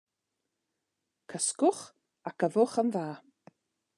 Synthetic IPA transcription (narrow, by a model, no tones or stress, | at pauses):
kʰəskʊχ | akʰəvʊχənðaː